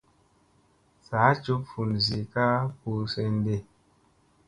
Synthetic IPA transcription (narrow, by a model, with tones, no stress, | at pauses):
saː˨˦t͡ʃu˦pfu˨nzi˨ka˦pu˧se˧nde˦˨